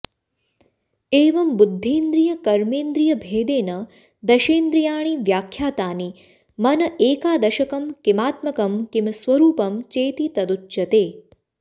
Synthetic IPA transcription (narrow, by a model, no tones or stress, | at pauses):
eːʋɐmbud̪ʱːeːnd̪ɾijɐkɐɾmeːnd̪ɾijɐbʱeːd̪eːnɐ | d̪ɐʃeːnd̪ɾijaːɳ̃iʋjaːkʰjaːt̪aːni | mɐnɐʔeːkaːd̪ɐʃɐkɐmkimaːt̪mɐkɐmkimɐsʋɐɾuːpɐmt͡ʃeːt̪it̪ɐd̪ut͡ʃːʃɐt̪eː